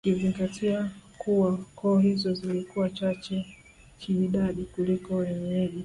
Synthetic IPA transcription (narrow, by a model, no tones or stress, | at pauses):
kiziŋɡatʰiakuwakɔːhizɔzilikuwat͡ʃat͡ʃɛ | kʰiːɗaɗikulikɔwɛɲɛʄɛ